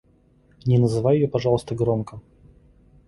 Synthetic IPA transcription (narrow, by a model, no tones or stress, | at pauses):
nʲɪnəzɨvajɪjopɐʐɑlˠəst̪əɡɾomkə